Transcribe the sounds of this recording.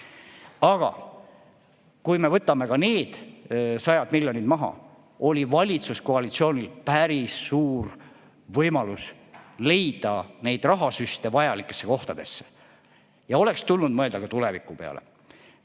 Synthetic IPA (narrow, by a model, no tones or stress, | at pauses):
ɑɡ̥ɑ̰ | kujme̞vɤt̪ːˑɑme̞kɑne̞ːd̪̥sɑjɑd̪miljo̞nid̪mɑɦɑ̰ | o̞lʲivɑlʲit̪suskoɑlit̪sio̞ːnʲilpæɾisːuːr | vɤjmɑlus | le̞jd̪̥ɑne̞jd̪̥rɑɦɑsyst̪e̞vɑjɑlikːˑe̞̥sːe̞ko̞ht̪ɑd̪̥e̞sːe̥ | jɑo̞lekst̪ulnud̪mɤe̞ld̪ɑkɑt̪ule̞vikːˑupe̞ɑ̰le̞̰